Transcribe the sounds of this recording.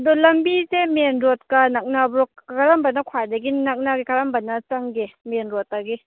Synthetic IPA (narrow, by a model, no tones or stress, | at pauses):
dɔlɐmbizemenɾot̚kanak̚nabɾokkaɾambanakʰwajdɐɡinak̚naɡikaɾambanɐt͡ʃaŋɡemenɾot̚aɡi